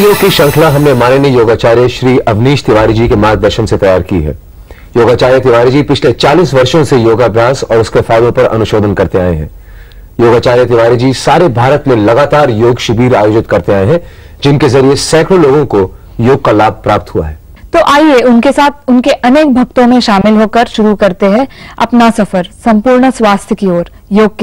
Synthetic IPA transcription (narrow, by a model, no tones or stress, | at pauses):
joːɡkiʃɐ̃ŋkʰlaɦɐmnemaːnenejoːɡaːt͡ʃaːɾjəʃɾiːʔɐʋniːʃt̪ɪʋaːɾid͡ʒikemaːɡ̚d̪ɐɾʃənset̪ɐjaːɾkḭɦɛ̰ː | joːɡaːt͡ʃaːɾjət̪ɪʋaːɾid͡ʒiːpɪt͡ʃʰlet͡ʃaːliːsʋɐɾʃõsejoːɡaːbʱjaːsɔːɾʊskefɛːɪlõpɐɾʔɐ̰nʊʃoːd̪ʱənkɐɾt̪eaːḛɦɛ̰̃ː | joːɡaːt͡ʃaːɾjət̪ɪʋaːɾid͡ʒiːsaːɾebʱaːɾət̪mẽlɐɡaːt̪aːɾjoːɡʃɪbiːɾaːjoːd͡ʒɪt̪kɐɾt̪eaːeɦɛ̃ | d͡ʒɪnkezɐɾiesɛːkʰɾoloːɡõko | joːɡ̚kalaːb̚ʱpɾaːp̚t̪ɦua̰ɦɛː | t̪oːʔaːieʊnkesaːt̪̚ʰʊnkeʔɐneːk̚bʱɐk̚t̪õmẽʃaːmɪlɦoːkɐɾʃʊɾukɐɾt̪eɦɛ̃ɐpnasɐfəɾsɐ̃mpuːɾɳswaːst̪ʰjəkioːɾ | joːɡ̚ke